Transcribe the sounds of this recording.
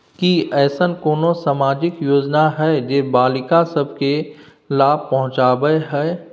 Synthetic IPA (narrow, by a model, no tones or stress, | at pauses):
kiɛːsənkoːnosaːmaːd͡ʒɪkjoːd͡ʒnaɦɛːd͡ʒeːbaːlɪkãsɐbke | laːb̚pɐɦʊ̃t͡ʃaːbəeɦɛː